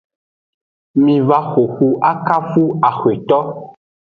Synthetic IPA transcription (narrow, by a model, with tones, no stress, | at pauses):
mĩ˨va˦xo˨xu˦ʔa˦ka˦fu˦a˨xwe˨t̪ɔ˦